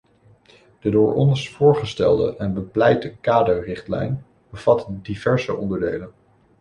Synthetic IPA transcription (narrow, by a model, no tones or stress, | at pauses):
d̥ədʊːɹʔɔ̰nsfʊːɹχəstɛ̰lˠdə̰ʔɛnbəplɛjtəkaːdorɪχtlɛ̰jn | b̥əv̥ɑtdiv̥ɛɹsəʔɔndəɹdejlən